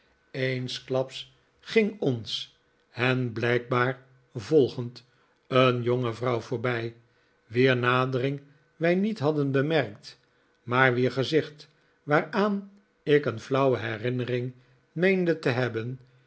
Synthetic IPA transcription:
ejnsklɑps | χɪŋɔns | hɛnblɛjk̚baːɹ | vɔlˠχənt | ənjoŋəvrʌwvʊːɹbɛj | ʋiːɹnaːdərɪŋ | ʋɛjnitɦɑdənbəmɛrkt | maːɹʋiːɹχəzɪχt | ʋaːɹaːn | ɪkənflʌwəɦɛrɪnərɪŋ | mejndətəɦɛbən

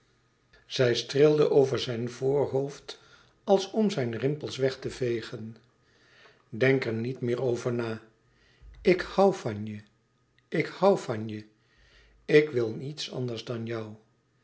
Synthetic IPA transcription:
z̥ɛjstrɪlˠdəʔowvəɹzɛjnvʊːɹɦowft | ɑlˠsɔmzɛjnrɪmpəlˠsʋɛχtəvejχən | dɛŋkɛɹnitmɪːɹowvəɹnaː | ɪkhɑwvɑnjə | ɪkhɑwvɑnjə | ɪkʋɪlˠnitsɑ̰ndəɹzdɑnjʌw

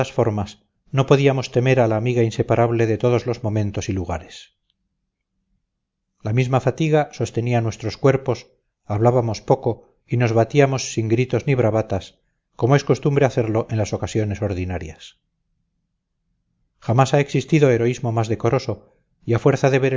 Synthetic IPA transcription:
asfo̞ɾmas | no̞po̞ðiamo̞st̪e̞me̞ɾalaːmiɣainse̞paɾʔaβle̞ðe̞t̪o̞ð̞o̞zlo̞zmõ̞mẽ̞nt̪o̞siluɣa̰ɾes | lamizmafat̪iɣaso̞st̪e̞nianwe̞st̪ɾo̞skwe̞ɾpo̞s | aβlaβamo̞spo̞ko̞ | ino̞zβat̪iamo̞sːiŋɡɾit̪o̞zniβ̞ɾaβat̪as | ko̞moe̞sko̞st̪umbɾe̞aθe̞ɾlo̞ʔe̞nlasokasjo̞ne̞so̞ɾðinaɾjas | xamasae̞ksist̪iðo̞e̞ɾo̞izmo̞mazðe̞ko̞ɾo̞so̞ | iafwe̞ɾθaðe̞βe̞ɾ

